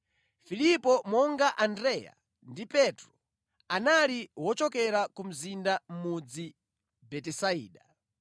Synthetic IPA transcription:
filipɔmɔŋɡaʔandɾɛja̰ | ndipɛtɾɔ | analiwɔt͡ʃɔkɛɾakum̩zindam̩mud͡zi | bɛtɛsaḭːɗa

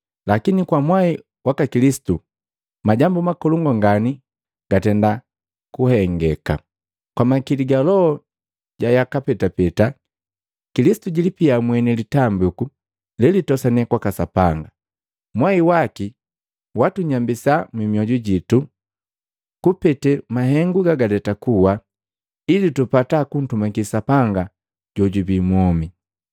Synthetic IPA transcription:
lakinikwamwai | wakakilisi̥tu | maɟambumakɔluŋɡɔŋɡani | ɡ̥atɛnda | kuhɛŋɡɛka̰ | kwamakiliɡalɔɔ | ɟajakapɛtapɛta | kilisi̥tuɟilipiamwɛnɛlitambuku | lɛlitɔsanɛkwakasapaŋɡa | mwaiwaki | watuɲambisamwimiɔɟuɟitu | kupɛtɛmaɦɛŋɡuɡaɡadɛtakuwa | ilitupatakun̩tumakisapaŋɡa | ɟ̥ɔɟubimwɔmi

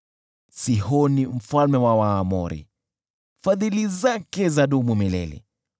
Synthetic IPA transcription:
sihɔnim̩falmɛwawaːmɔ̰ɾḭ | faðilizakɛzaɗumumilɛ̰lḭ

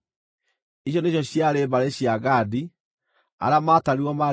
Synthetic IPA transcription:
iɕ̬jɔneɕ̬jɔɕjaɾeːbaɾeɕiaɣadi | a̰ɾeamataɾiwɔma

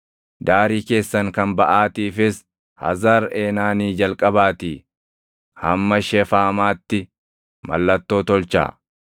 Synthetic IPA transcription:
d̪aːɾiːke̞ːsːɐŋkɐnbɐʔaːt̪iːfɪs | hɐ̰zaːɾeːnaːniːd͡ʒɐlkʼɐbaːt̪iː | hɐmːɐʃɛfaːmaːt̪ːɪ | mɐ̰lːɐt̪ːoːt̪ɔlt͡ʃa̰ː

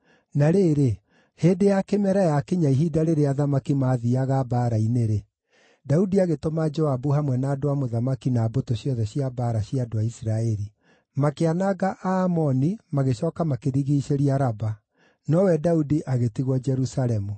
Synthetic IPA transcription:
naɾeɾe | hedejakemɛɾajakeɲaiɦidaɾeɾeaðamakimaːðiaɣabaːɾaineɾe | daudiaɣetomad͡ʒɔabuhamwɛnaːdoamoðamakinabotoɕjɔðɛɕjabaːɾaɕiadoaisiɾaɛɾi | makeanaɣaʔamɔnimaɣeʃɔːkamakeɾiɣiːʃeɾiaɾaba | nɔwɛdaudiʔaɣetiɣwɔd͡ʒɛɾusaɾɛmu

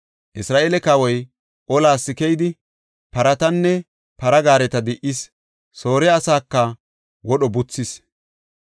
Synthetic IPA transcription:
ʔɪsɾaːʔeːlɛkawɔj | ʔɔlaːsːɪkɛjd̪ɪ | pɐɾɐt̪ɐnːɛ | pɐɾɐɡaːɾɛt̪ɐd̪ɪʔɪs | so̞ːɾɛɐsaːkːɐ | wɔɗɔbʊt͡sːɪs

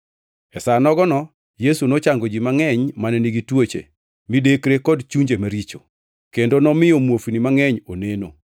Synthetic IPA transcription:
ɛsanɔɡɔnɔ | jesunot͡ʃaŋɡod͡ʒimaŋɛɲmanɛniɡitwot͡ʃḛ | midekɾekɔdt͡ʃuɲd͡ʒemaɾit͡ʃo̰ | kendonɔmɪjɔmwofinimaŋɛɲoneno̰

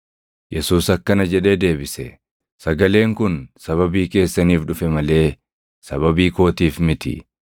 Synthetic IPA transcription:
jʔɛsuːsɐkːɐnɐd͡ʒɛᶑe̞ːd̪e̞ːbɪsɛ̰ | sɐɡɐle̞ːŋkʊnsɐβɐbiːke̞ːsːɐniːfᶑʊfɛmɐle̞ː | sɐβɐbiːko̞ːt̪iːfmɪt̪ɪ̰

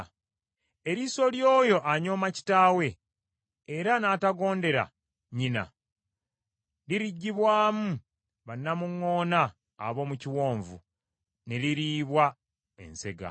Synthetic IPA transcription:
e̞ɾiso̞ljoːjo̞ʔaɲo̞ːmaci̥taːwe̞ː | ɾanaːtaɡo̞ːnde̞ɾa̰ | ɲina̰ | liɾiɟːiβwaːmu | βanːamuŋːo̞ːna̰ː | βo̞ːmuciwo̞ːɱvṵ | neliɾiːβwa | ḛnse̞ɡa̰

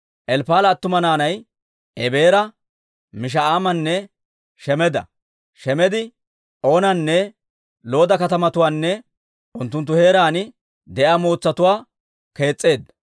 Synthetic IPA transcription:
ʔɛlpaːlɐːt̪ːʊmɐnaːnɐj | ʔɛbe̞ːɾɐ | mɪʃ̬ɐaːmɐnːɛ | ʃɛmɛd̪ɐ̰ | ʃɛmɛd̪ɪ | ʔo̞ːnɐnːɛ | lo̞ːd̪ɐkɐt̪ɐmɐt̪ʊwaːnːɛ | ʔʊnt̪ːʊnt̪̬ːʊhe̞ːɾaːnɪ | d̪ɛʔamo̞ːt͡sːɐt̪ʊwaː | ke̞ːt͡sʼːe̞ːd̪ːɐ

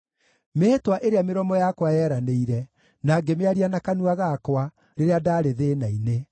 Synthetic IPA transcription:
metwaʔeɾeameɾɔmɔjakwajɛːɾaneiɾɛ | naɡemeaɾianakanuaɣakwa | ɾeɾeadaɾeðenaine

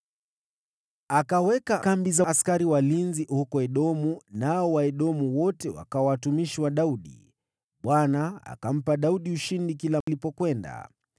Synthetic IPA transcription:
akawɛkakambizaskaɾiwalinzihukɔɛɗɔmunaɔwaɛɗɔmuwɔtɛwa̰kaɔwatumiʃiwaɗauɗḭ | ɓwanaa̰kam̩paɗauɗiuʃindikilalipɔkwɛnda̰

